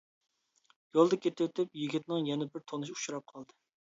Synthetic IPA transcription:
jolˠd̪ɐkʲʰet̪ʰɪwt̪ʰɪpjiɡʲit̪nɪŋjɛnɛbɪɾt̪ʰonɨʃu̥ʃuɾɑp̚qʰɑlˠd̪ɨ

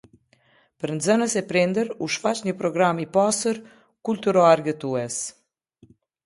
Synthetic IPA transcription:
pəɾnzənəsɛpɾind̪əɾuʃfat͡ɕɲəpɾɔɡɾamipasəɾ | kult̪uɾɔaɾɡət̪uɛs

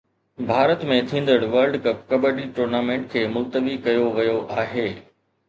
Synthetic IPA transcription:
bʱaːɾət̪mẽt̪ʰĩːn̆d̪əɽ̃ʋɐɾɖkɐp̚kɐbəɖiʈuːɾnaːmẽːɳʈ̚kʰeːmʊlt̪əʋikɐjoʋɐjoʔaːɦeː

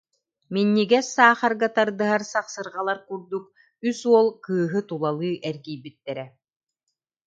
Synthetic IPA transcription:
minːiɡɛsaːχaɾɡat̪aɾd̪ɯɦaɾsaχsɯɾʁalˠaɾkuɾd̪uk̚ | ysuɔlˠkɯːɦɯt̪ulˠalˠɯːʔɛɾɡiːbit̪ːɛɾɛ

